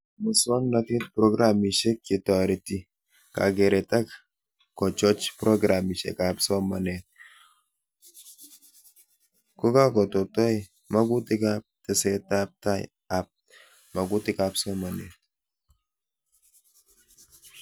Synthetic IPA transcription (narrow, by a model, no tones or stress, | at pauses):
mɔsɔnlatet̚pɾɔɡɾamiʃɛkːɪtɔɾiti | ka̰ɡeɾɛtak | kːɔt͡ʃɔt͡ʃpɾɔɡɾamiʃɛ̰kapsɔmanɛt̚ | kokakɔtɔtɔj | maɡutɪkap̚tɛsɛtap̚taj | ap̚ | maɡutɪkapsɔmanɛ̰t̚